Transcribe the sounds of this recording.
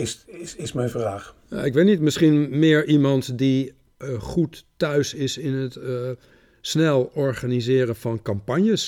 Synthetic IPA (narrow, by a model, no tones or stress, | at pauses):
ɪsɪsɪsmɛjnvraːχ | ja̰ɪkʋetnitmɪsχinmɪːəɹʔimɑntdi | χutːœɥsɪsɪnət | snɛlˠɔɹχanizɪːɾənvɑnkɑmpɑɲjəs